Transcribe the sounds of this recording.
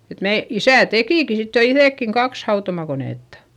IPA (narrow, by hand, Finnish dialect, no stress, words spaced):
et meː isæˑ tekiˑki sit jo iθeˑkːiŋ kɑks hɑutomɑkoneˑtːɑ̥